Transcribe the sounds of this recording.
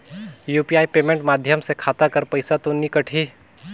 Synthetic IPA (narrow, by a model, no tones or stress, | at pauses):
juːpiaːipeːmẽɳʈmaːd̪ʱjəmsekʰaːt̪akɐɾpɐɪsat̪onɪkəʈʰiː